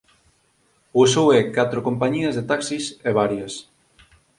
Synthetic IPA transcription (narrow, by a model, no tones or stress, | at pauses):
osowɛkat̪ɾokompaɲiɐzðet̪aksiseβaɾjɐs